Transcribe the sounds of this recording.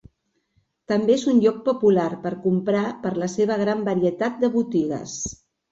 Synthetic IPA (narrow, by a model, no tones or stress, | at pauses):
t̪əmbeezunʎɔk̚pupulaɾpəɾkumpɾapəɾləseβəɣ̞ɾambəɾiət̪at̪̚d̪əβut̪iɣə̰s